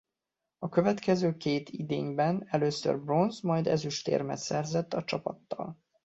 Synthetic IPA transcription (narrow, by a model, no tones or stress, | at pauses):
ɒkø̞vɛt̪kɛzøːkeːt̪ʰid̪eːɲbɛnɛløːsø̰rbro̞nzmɒjd̪ɛzyʃt̪ḛːrmɛ̰t̪sɛrzɛt̪ːɒt͡ʃɒpɒ̰t̪ːɒ̰l